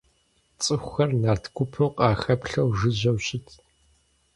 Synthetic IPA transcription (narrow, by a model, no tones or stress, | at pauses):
t͡sʼɨxʷxɐrnaːrtʰkʷʊpʰɨwqʼɑːxɐpɬɐwʐɨʑɐwɕɪtʰ